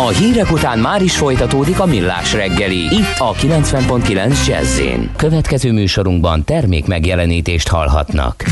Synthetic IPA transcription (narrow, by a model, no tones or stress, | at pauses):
ɒɦiːɾɛkut̪aːnmaːɾiʃfo̞jt̪ɒt̪oːd̪ikɒmilːa̰ːʃrɛɡːɛliit̪ʰːɒkilɛnsʋɛmpo̞nt̪kilɛnzd͡ʒɛ̰zːḛːnkø̞vɛt̪kɛzøːmyːʃo̞ɾuŋɡbɒnt̪ɛrmḛːkmɛɡjɛlɛniːt̪eːʃt̪hɒ̰lɦɒ̰t̪nɒ̰k